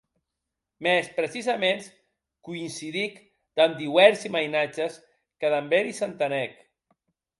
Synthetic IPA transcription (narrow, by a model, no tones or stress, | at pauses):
mɛspɾəsizamens | kuinsiðik | d̪̥and̪iwɛɾsimajnat͡ʃəs | kəðambeɾisant̪anɛk